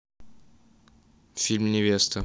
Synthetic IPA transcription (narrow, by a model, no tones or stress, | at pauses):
fʲilʲmnʲɪvʲest̪ə